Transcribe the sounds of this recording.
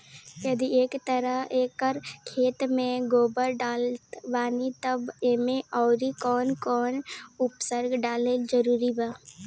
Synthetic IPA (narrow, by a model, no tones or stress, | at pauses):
jɐd̪ieːkt̪əɾəɦeːkəɾkʰeːt̪mẽɡoːbəɾɖaːlt̪ʋaːnit̪əbeːmẽʔɔːɾikɔːnkɔːnʊpsəɾɡɖaːled͡ʒəɾuːɾibaː